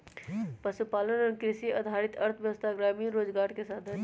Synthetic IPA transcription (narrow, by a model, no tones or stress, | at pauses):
pəʃupaːlənɔɾkɾɪʃiʔɐd̪ʱaːɾɪt̪ɐɾt̪ʰbjəʋəst̪ʰaɡɾaːmiɾoːd͡ʒɡaːɾkesaːd̪ʰʱə